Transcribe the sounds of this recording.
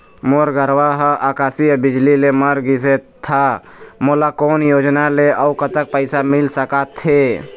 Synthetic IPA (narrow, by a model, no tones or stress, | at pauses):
moɾɡəɾwaɦəʔakaːsiəbid͡ʒlileməɾɡis̬et̪ʰa | molakoːnjod͡ʒnaleʔəukət̪ək̚pəɪsamilsəkat̪ʰːe